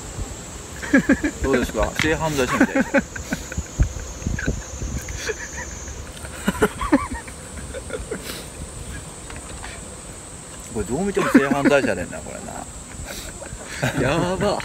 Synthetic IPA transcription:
d̪oːd̪esɨ̥ka̰se̞ːɦãnzaiɕimit̪a̰ | ko̞ɾed̪o̞ːmʲit̪emose̞ːɦãnzaiɕad̪ẽnːa̰koɾḛna̰ | jaba

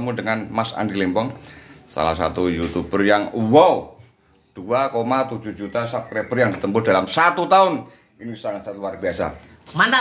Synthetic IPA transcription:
mundəŋanmasa̰ndilempɔŋsa̰la̰hsa̰t̪ujut̪ubərjaŋwau | d̪̥uakomat̪u̥d͡ʒ̥uhd͡ʒut̪asap̚kɾebərjaŋdit̪əmpʊd̥alamsat̪ut̪aʊn | inisaŋasat̪luwarbiasa̰ | mant̪a

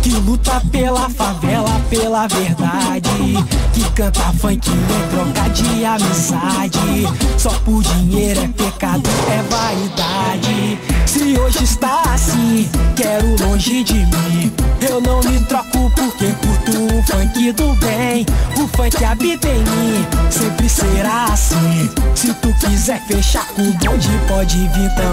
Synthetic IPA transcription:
kɪlut̪ɐpelɐfavɛlɐpelɐveɾd̪ad͡ʒɪkɪkɐ̃t̪afɐ̃kɪnẽt̪ɾokad͡ʒɪamizad͡ʒɪsɔpʊɾd͡ʒiɲejɾʊɛpekad̪ʊɛvaid̪ad͡ʒɪsɪoʒɪist̪aasĩkɛɾʊlõʒɪd͡ʒɪmĩewnɐ̃w̃mɪt̪ɾɔkʊpʊɾkepʊɾt̪uʊ̃fɐ̃kid̪ʊbẽj̃ʊfɐ̃kɪabit̪ẽj̃mĩsẽmpɾɪseɾaːsĩsɪt̪ukizɛɾfeʃakũbɐ̃d͡ʒɪpɔd͡ʒɪvit̪ɐ̃

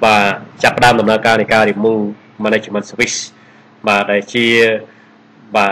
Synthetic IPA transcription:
ɓaːt͡ɕapːə̆ɗaəmɗɑmnaəkaːnɨjkaːɾimuː | manet͡ɕəmənswis | ɓaːɗaɛlt͡ɕiə | ɓaː

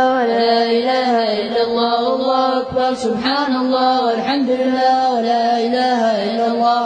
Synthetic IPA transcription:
wlaːʔɪlaːɦaʔɪlːaɑlˤːɑːalˤːɑːhʊʔakbɑɾˤsʊbħaːnɑlˤːɑːwɪlħamd̪ʊlɪlːaːwalaːʔɪlaːhaʔɪlːɑlˤːɑː

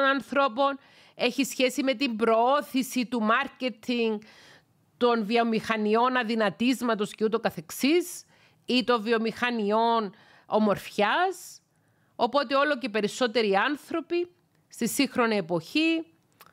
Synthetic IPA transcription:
nɐnθɾo̞po̞n | e̞çisçe̞sime̞t̪imbɾo̞oθisit̪umɐɾce̞t̪ʰiŋɡ | t̪o̞nviomixɐnio̞nɐðinɐt̪izmɐt̪o̞sceut̪o̞kɐθe̞ksis | it̪o̞ɱvio̞mixɐnio̞n | omo̞ɾfçɐs | o̞po̞t̪e̞o̞lo̞ce̞pe̞ɾiso̞t̪e̞ɾiɐnθɾo̞pi | st̪isixɾo̞niepo̞çi

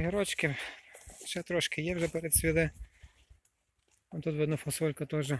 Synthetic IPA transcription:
ɦɪɾɔt͡ʃkɪ | ʃɛt̪ɾɔʃkɪjɛwʒɛpɛɾɛd̪sʲʋʲid̪ɪ | ɔt̪ut̪ʋɛd̪nɔfɔsɔlʲkɐt̪ɔʒɛ

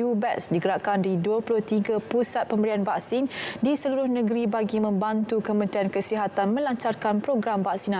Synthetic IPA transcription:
ubɛʔsdiɡəɾaʔkandiduəpulʊht̪iɡapusat̪̚pəmbəɾianbaksindisəluɾʊhnə̃ɡəɾibaɡimə̃mbant̪ukəmə̃nt̪ɾiankəsiɦat̪anmə̃laɲt͡ʃarkanpɾoɡɾambaksina

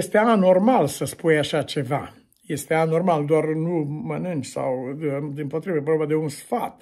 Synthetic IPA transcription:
jest̪eanormalsəspujaʃat͡ʃeva | jest̪eanormald̪oarnumənɨnt̪sa̰wd̪impot̪ɾivəpɾobead̪eunsfat̪

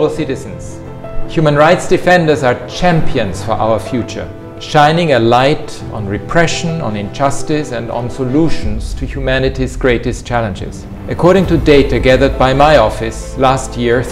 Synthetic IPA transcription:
bl̩ˠsɪɾɨz̃n̩z̥ | hjʉmə̃nɹaɪtsd̥ɨfɛ̃ndə˞za˞t͡ʃʰæ̃mpiɨ̃nz̥fə˞ʔa̰ʊə˞fjʉt͡ʃə̰˞ | ʃãɪ̃nɪ̃ŋɨlaɪɾ | n̩ɹɪpʰɹ̥ɛʃə̃nə̃nɪ̃nd͡ʒʌstɪsɨ̃nd̰̃n̩səluʃn̩z̥tʰɨhjumænɨɾizɡ̥ɹeɪɾɨst͡ʃʰælˠə̃nd͡ʒɪ̰z̥ | ʔɨkʰɔɹɾɪ̃ŋtʰɨdeɪɾɨɡæðə˞d̚baɪmaɪɔfɨs | læstʰjɪɹ

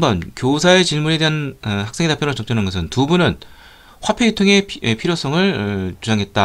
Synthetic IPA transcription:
mbʌnkjosʰae̞t͡ɕiɭmunede̞ɦanhaks͈ʰe̞ŋdapʰjoɾɯt͡ɕʌk̚t͡ɕ͈ʌnɯnɡʌsʰɯntubunɯn | ɸwapʰeitʰɯŋe̞epʰiɾjos͈ʰʌŋɯɭt͡ɕud͡ʑaŋɦe̞t̚t͈a

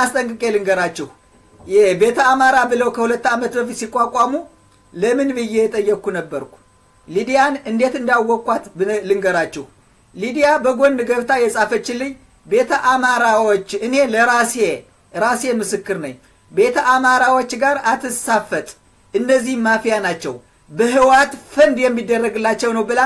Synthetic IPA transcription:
ast̪ʼəŋkʼɨkʼelɨŋɡəɾat͡ʃːɛh | jɛbe̞t̪ʰəamaɾabɨləwkʰəhulət̪ːamət̪bəfisikʼːakʷʼamu | ləmɨnbɨjːɛjɛt̪ʼəjːɛkːunəbːəɾkʰʷu̥ | lid̪ijanɨnd̪e̞t̪ɨnd̪jawːɔkʼʷːat̪blɨŋɡəɾat͡ʃːɛh | lid̪ijabəɡo̞nːɨɡəβt̪ʰajɛsʼafət͡ʃːɪlːɨɲ | be̞t̪ʰəʔamaɾawot͡ʃːɨne̞ləɾase | ɾasemɨsɨkːɨɾnə̰ɲ | be̞t̪ʰəʔamaɾawot͡ʃːɡaɾat̪ʰɨsafət̪ʼ | ʔɨnːəzːihmːafijanat͡ʃːɛw | bəɦɨwat̪fənd̪jɛmːid̪ːərːəɡɨlːat͡ʃːɛwnəwbɨla

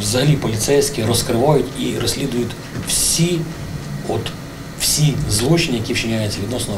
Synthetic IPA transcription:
wzɐɦɐlʲipɔlʲit̪sɛjsʲkʲiɾɔskɾɪʋajʊt̪ʲiɾɔsʲlʲid̪ʊjʊt̪ʲ | wsʲi | ɔt̪ | w̥sʲizlˠut͡ʃɪnʲijɐkʲiwt͡ʃɪnʲajʊt͡sʲɐʋʲid̪nɔsnɔ

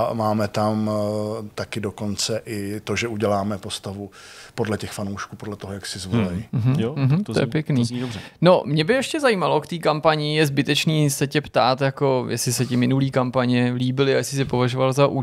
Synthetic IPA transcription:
maːmɛt̪am | t̪akɪdo̞ko̞nt͡sɛʔɪt̪o̞ʒɛuɟɛlaːmɛpo̞st̪avupo̞dlɛcɛxfanowʃkuːpodlɛt̪oɦojaksɪzvolɛjm̩ɦm̩j̩ɦm̩t̪o̰jɛpjɛkniːrɛno̞mɲɛbɪjɛʃcɛzajimalo̞kt̪iːkampaɲɪjɛzbɪt̪ɛt͡ʃniːsɛcɛpt̪aːt̪jako̞jɛsɪsɛcɪmɪnuliːkampaɲɛliːbɪlɪajɛsɪs̬ɪpo̞vaʒovalzaʔu

